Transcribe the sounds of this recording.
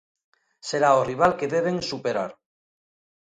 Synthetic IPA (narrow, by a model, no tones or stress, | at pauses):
se̞ɾaoriβ̞alkeðeβ̞eŋsupeɾa̰ɾ